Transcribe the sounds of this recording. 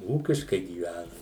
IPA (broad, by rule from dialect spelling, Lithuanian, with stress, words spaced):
ˈuːkʲɪʃkɐɪ ɡʲiːˈʋʲænɐm